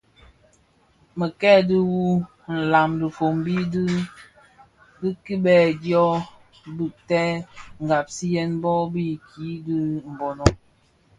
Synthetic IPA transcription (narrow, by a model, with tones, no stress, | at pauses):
mə˨kɛ˦di˦wu˦ | n̩˨la˨mdə˨fo˨mbi˦dɨ˦ | di˦ki˦bɛ˦˨djɔ˦ | bi˦˨ʔtɛ˦ŋ̩˨ɡa˨p̚si˦jɛ˦nbɔ˦bi˦kʰi˨˦di˦m̩˨bɔ˨nɔ˦